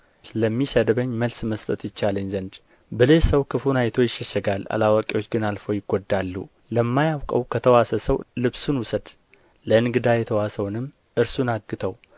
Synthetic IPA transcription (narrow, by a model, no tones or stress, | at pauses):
t̪ləmːisəd̪βəɲːməlsməst̪ʼət̪jɪt͡ʃːaləɲzənd̪ | bəlesəwkʰɨfunajt̪ʰo̞jɪʃːəʃəɡala̰lawakʼewo̞t͡ʃːɡɨnalfowjɪɡod̪ːalːṵ | ləmːajawkʼəwkʰət̪ʰəwasəsəwlɨβsunwʊsəd̪ | ləɨnɡɨd̪ajɛt̪ʰəwasəwnɨmː | ʔɨɾsunaɡːɨt̪ʰəw